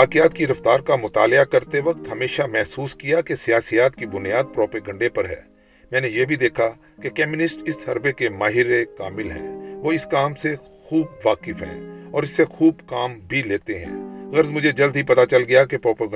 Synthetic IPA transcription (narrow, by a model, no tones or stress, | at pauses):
ʋaːkɪjaːt̪kiɪɾɐft̪aːɾkamʊt̪aːlɪakɐɾt̪eʋɐk̚t̪ɦɐmeːʃamɛɦsuːskijakesijaːsijaːt̪kibʊnjaːd̪̚pɾoːpeːɡə̃ɳɖepɐɾɦɛ̰ː | mɛ̃ːnejebʱid̪eːkʰa | kekɛːmɪnɪsʈɪsɦɐɾbekemaːɦɪɾekaːmɪlɦɛ̰̃ːʋoːɪskaːmse | xuːb̚ʋaːkɪfɦɛ̰̃ːɔːɾɪsːexuːbkaːmbʱileːt̪eɦɛ̰̃ːɣɐɾzmʊd͡ʒʱed͡ʒɐld̪ʱɦipɐt̪at͡ʃɐlɡɐjakepɾoːpəɡ